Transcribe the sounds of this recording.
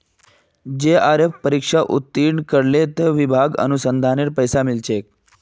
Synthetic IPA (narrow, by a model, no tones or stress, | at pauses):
d͡ʒeaɾefpəɾikʂaʔut̪ːiɳkəɾlet̪eʋibʱaɡə̰nusənd̪ʱaneɾpəjsamilt͡ʃek